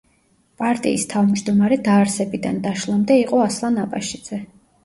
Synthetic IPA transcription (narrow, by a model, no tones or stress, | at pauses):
pʼaɾt̪ʼḭːst̪ʰavmd͡ʒd̪ɔmaɾɛd̪aːɾsɛbid̪and̪aʃlˠamd̪ɛiqʼɔaslˠanapʼaʃid̪z̥ɛ